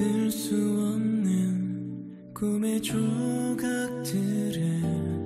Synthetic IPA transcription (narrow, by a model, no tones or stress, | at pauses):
ɯɭs͈uʌnːɯn | kumet͡ɕuɡak̚tʰɯɾɯ